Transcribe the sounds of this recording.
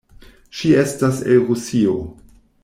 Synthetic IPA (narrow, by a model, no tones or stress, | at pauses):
ʃie̞staselɾusio̰